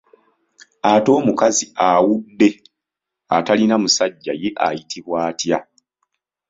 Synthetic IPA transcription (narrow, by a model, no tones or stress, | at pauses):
ato̞ːmukaziawudːe̞ | atalinamusaɟːa̰je̞ʔajitʰiβwaːtja